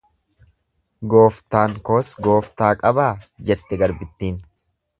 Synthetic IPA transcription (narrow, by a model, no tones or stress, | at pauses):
ɡo̞ːft̪aːŋko̞ːsɡo̞ːft̪aːkʼɐbaːd͡ʒɛt̪ːɛɡɐɾbɪt̪ːiːn